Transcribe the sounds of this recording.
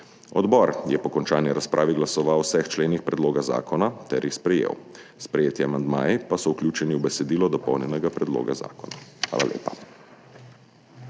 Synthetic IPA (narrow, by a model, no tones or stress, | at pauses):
ɔd̪bɔɾjɛpɔkɔnt͡ʃaːniɾaspɾʔaːʋiɡlasɔʋawsɛxt͡ʃleːnixpɾɛd̪loːɡaza̰ːkɔnat̪ɛɾjixspɾɛjḛwspɾɛjeːt̪jɛamand̪maːjipasɔuwklʲjuːt͡ʃɛniuwbɛsɛd̪iːlɔd̪ɔpɔwnjɛnɛɡapɾɛd̪lo̰ːɡaza̰ːkɔnaxʋa̰ːla̰lʲḛːpa